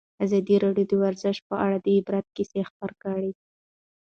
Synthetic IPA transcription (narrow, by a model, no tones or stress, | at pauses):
azɑd̪iɾɑɖjod̪əwaɾzɪʃ̚pəʔaɽad̪əibɾat̪̚kisexpəɾkaɽi